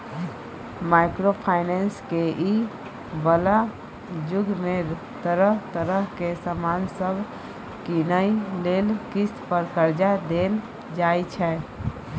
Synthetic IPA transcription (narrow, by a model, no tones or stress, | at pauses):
maɪkɾopʰaɪnenskeʔi | bəla | d͡ʒʊɡme | t̪əɾəɦt̪əɾəɦkesəmansəbʱ | kinəilelkispəɾkəɾd͡ʒad̪el | d͡ʒajt͡ʃʰɛ